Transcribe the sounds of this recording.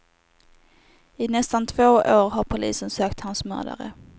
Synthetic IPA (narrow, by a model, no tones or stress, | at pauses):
ɪnɛst̪ant̪ʰvoːʔoːɾɦaɾpʰʊlḭːsənsøːkt̪hansmœ̰ːd̪a̰ɾə̰